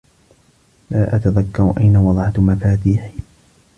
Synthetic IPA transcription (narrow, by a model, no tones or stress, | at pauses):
laːʔat̪aðakːɑɾʔajnawɑðˤʕamafaːt̪iːħ